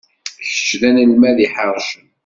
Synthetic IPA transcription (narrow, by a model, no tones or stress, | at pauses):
çə̥t͡ʃːðænəlmæðiħəɾˤʃən